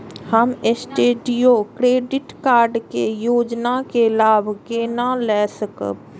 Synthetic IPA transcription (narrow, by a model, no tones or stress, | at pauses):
həmesʈeːɖijokɾeːɖɪʈkaːɾɖkejoːd͡ʒnakelaːbʱkeːnalɛːsəkə̰